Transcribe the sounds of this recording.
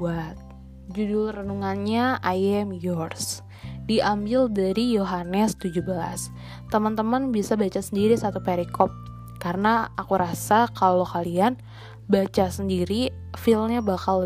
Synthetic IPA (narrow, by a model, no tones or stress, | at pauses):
at̪̚ | d͡ʒudʊlrənuŋanɲaajɛmjɔrs | diʔambɪldaɾijoɦanəst̪ud͡ʒubəla̰s | t̪əmənt̪əmənbisabat͡ʃasəndiɾisat̪upeɾikɔp̚ | kaɾənaakuɾasakallokalian | bat͡ʃasəndiɾi | filmɲabakal